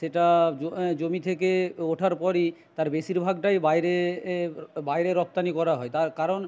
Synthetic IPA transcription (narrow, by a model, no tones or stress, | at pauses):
ʃeʈaod͡ʑomit̪ʰekeoʈʰaɾpɔɾit̪aɾbeʃiɾbʱaɡʈajbajɾe | bajɾeɾɔp̚t̪anikɔɾaɦɔet̪aɾkaɾon